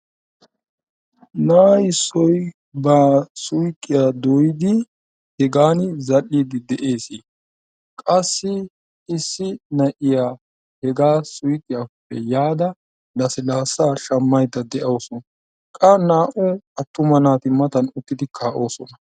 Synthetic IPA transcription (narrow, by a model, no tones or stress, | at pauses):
naːjɪsːɔj | baːsʊjkʼːɪjaːd̪ɔjɪd̪ɪ | hɛɡaːnzɐɗːiːd̪ɪd̪ɛʔe̞ːsiː | kʼɐsːɪ | ɪsːɪnɐʔɪjaː | hɛɡaːsʊjkʼːɪjapːɛjaːd̪ɐ | nɐsɪlaːsaːʃɐmːɐjd̪ɐd̪ɛʔɐwsɔn | kʼɐnaːʔɔɐt̪ːʊmɐnaːt̪ɪmɐt̪ɐnʊt̪ːɪd̪ɪkʰaːʔo̞ːsɔnɐ